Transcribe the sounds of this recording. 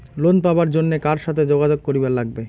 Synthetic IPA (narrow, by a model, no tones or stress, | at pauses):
lonpaoaɾd͡ʑonːekaɾʃat̪ʰed͡ʑoɡad͡ʑoɡ̚koɾiballaɡ̚be